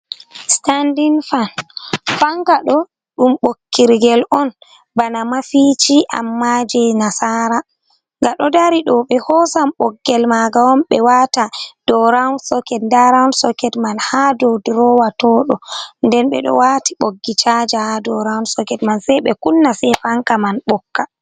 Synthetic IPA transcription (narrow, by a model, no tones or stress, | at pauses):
standinfanfaŋkaɗɔ | ɗumɓokːiɾɡɛlʔɔn | banamafit͡ʃiʔa̰mːad͡ʒɛnasaɾa | ŋɡaɗɔdaɾiɗɔɓɛhɔsamɓɔɡːɛlmaɡawɔmɓɛwatad̥ɔɾaunsɔkɛtndaɾaunsɔkɛtmanhadɔwdɾɔwatɔɗɔndɛnɓɛ̰ɗɔ̰watiɓoɡːit͡ʃad͡ʒahadɔɾaunsɔkɛtmansɛjɓɛkunːasɛjfaŋkamanɓɔkːa